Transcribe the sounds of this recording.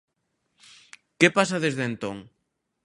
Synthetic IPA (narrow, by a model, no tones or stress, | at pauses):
kepasaðezðent̪oŋ